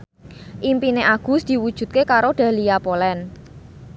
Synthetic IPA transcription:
ʔimpineʔaɡ̥ṳsd̪̥i̤wud̥ʒ̥ṳt̪̚kekaɾoɖ̥ä̤lijapolɛn

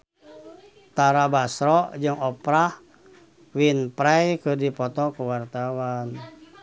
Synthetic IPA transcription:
t̪aɾabasɾɔʔd͡ʒɨŋɔpɾah | winpɾɛjkɨrdipɔt̪ɔkuwart̪awan

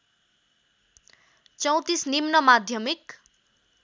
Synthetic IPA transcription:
t͡sʌw̃t̪isnimnʌmad̪ʱjʌmik

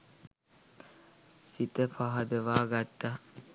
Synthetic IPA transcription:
sit̪əfaɦɐd̪əʋaːɡat̪ːa

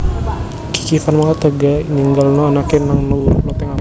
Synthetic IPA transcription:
ki̥kifanmakat̪əɡaniŋɡalnɔanakɛnaŋnuuɾumat̪ɛŋa

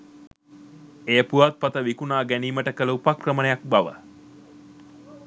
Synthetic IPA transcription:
ejəpuʋat̪̚pat̪əʋikunaːɡæniːməʈəkəlupakrəmənəjak̚baʋə̰

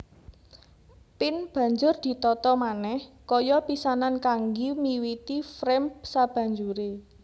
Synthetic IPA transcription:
pɪnb̥a̤ɲd͡ʒʊrd̪̥i̤t̪ɔt̪ɔmanɛhkɔjɔpisanankaŋɡimiwit̪ifɾɛmpsab̥ä̤ɲd͡ʒuɾe

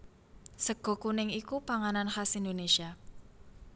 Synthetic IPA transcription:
səɡ̥ɔ̤kunɪŋikupaŋananxasind̪onesia

